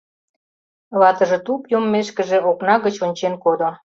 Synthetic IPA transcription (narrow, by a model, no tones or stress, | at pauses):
βɑt̪ə̆ʒĕt̪upjomːeʃkə̆ʒĕʔoknɑɣət͡ɕonʲt͡ɕenkod̪o